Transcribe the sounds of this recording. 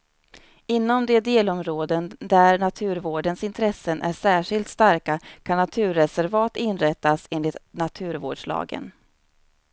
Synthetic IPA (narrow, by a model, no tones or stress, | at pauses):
ɪnːɔmd̪ɛd̪eːlɔmɾoːd̪ənd̪æɾɳat̪ʰʉ̟ːɾvoːɖənsɪnt̪ʰɾɛsːənʔæʂæːʂɪlt̪st̪aɾkakʰanːat̪ʰʉ̟ːɾːɛsæɾvɑːt̪ɪnɾɛt̪ːaseːnlɪt̪nat̪ʰʉ̟ːɾvoːɖʂɭɑ̰ːɡə̰n